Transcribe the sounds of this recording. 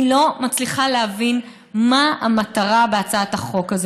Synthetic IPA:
lo̞mat͡sliχaleavin | maamataʁabeat͡saathaχo̞kazo

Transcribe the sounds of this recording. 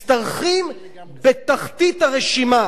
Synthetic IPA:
t̪aʁχim | bet̪aχt̪it̪haʁeʃima

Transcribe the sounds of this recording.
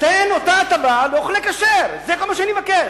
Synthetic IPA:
t̪enot̪aːt̪abaloχlekaʃeɾzekomaʃeanimakeʃ

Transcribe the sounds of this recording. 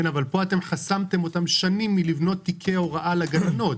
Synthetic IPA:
enavalpo̞ate̞mχasamt̪e̞mo̞t̪amʃanimːilivno̞t̪ːikʰeoʁaʔalaɡalano̞t

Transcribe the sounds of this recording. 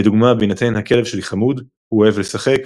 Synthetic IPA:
d̪uɡmabinat̪enhake̞lev̥ʃeliχamud̪ | huoe̞vle̞saχe̞k

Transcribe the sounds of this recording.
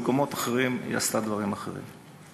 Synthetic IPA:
komo̞t̪aχeʁim̰ja̰st̪ad̪vaʁimaχe̞̰ʁḭm

